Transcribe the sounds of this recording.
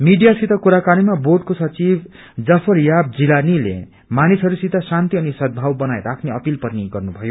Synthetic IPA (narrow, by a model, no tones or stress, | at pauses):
miɖijasit̪ʌkuɾakanimaborɖkosʌt͡sibʱ | d͡zʌpʰʌrjab̚d͡zilanilḛ | manisɦʌɾusit̪ːʌsant̪iʌnisʌd̪̚bʱawbʌnajɾakʰneʌpilpʌɾniɡʌrnubʱʌjo